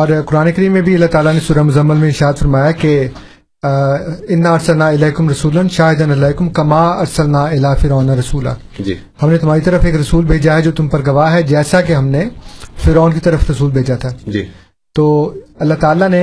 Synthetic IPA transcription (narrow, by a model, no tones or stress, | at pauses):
ɔːɾkʊɾaːnekɐɾiːmːẽbʱiɐlːaɦt̪aːlanesuːɾɐmʊzɐmːəlmẽɪɾʃaːd̪fɐɾmaːjake | ɪnːaɐɾsɐlnaːɪlɐːkʊmɾɐsuːlənʃaːɦɪd̪ənɐlaːkʊmkɐmaːɐɾsɐlnaːɪlaːfɪɾɔːnaɾɐsuːla̰ː | d͡ʒḭ | hɐmnet̪ʊm̤aːɾit̪ɐɾəfeːkɾɐsuːlbʱeːd͡ʒaɦɛd͡ʒoːt̪ʊmpɐɾɡɐʋaːɦɛd͡ʒɛːsak̬eɦɐmnefɪɾɔːnkit̪ɐɾəfɾɐsuːlbʱeːd͡ʒat̪ʰad͡ʒi | t̪oːɐlːat̪aːlane